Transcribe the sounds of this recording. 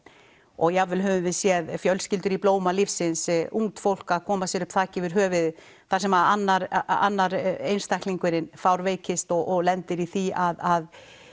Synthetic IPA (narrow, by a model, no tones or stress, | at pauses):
ɔɣjavɪlɦœvʏmvɪðsjɛðfjœlscɪlt̪ʏɾiploːwmalifsɪnsuŋt̪fowl̥kaðkʰɔːmasjɛɾʏpt̪ʰaːcɪvɪɾ̥ɦœːvɪð | θḁsɛmaðanːaɾa̰nːaɾejnst̪ahkliŋkʏɾɪnfawɾveːjcɪst̪ɔɣɔɣlɛnt̪ɪɾiθiaðað